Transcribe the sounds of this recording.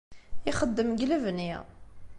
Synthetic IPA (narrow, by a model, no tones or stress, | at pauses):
iχəd̪ːəmɡlævniʁ